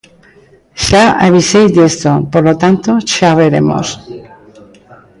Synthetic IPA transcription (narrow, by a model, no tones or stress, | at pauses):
ʃaa̰βisejzd̪est̪opoɾlot̪ant̪oʃaβeɾḛmo̰s